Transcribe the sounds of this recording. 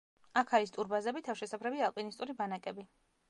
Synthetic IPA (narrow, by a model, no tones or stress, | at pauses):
akʰaɾist̪ʼuɾbazɛbit̪ʰafʃɛsapʰɾɛbialˠpʼinist̪ʼuɾibanakʼɛbi